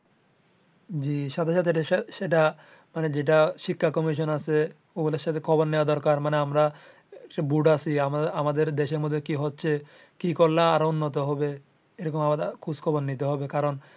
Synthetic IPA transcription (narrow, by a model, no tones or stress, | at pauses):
d͡ʑiʃat̪ʰeʃat̪ʰeʈeʃeʈa | maned͡ʑeʈ̬aʃikʰːakɔmiʃ̬onasʰe | oɡuleɾʃat̪ʰekʰɔbonːeoad̪ɔɾkaɾmaneamɾa | ekʈabuʈasʰiamamad̪eɾd̪eʃeɾmod̪ʱːekiɦotːɕʰe | kikoɾlaaɾonːot̪̬oɦɔbe | eɾɔkomamad̪akʰuskʰɔbonːit̪eɦɔbekaɾon